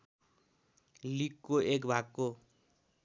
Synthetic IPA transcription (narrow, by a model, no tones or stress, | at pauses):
likːoek̬bʱakːo